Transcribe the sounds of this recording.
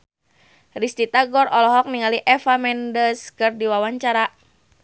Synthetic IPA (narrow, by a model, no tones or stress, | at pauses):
rist̪it̪aɡɔɾɔlɔɦɔk̚niŋaliʔɛfamɛndəskɨrdiwawaɲt͡ʃaɾa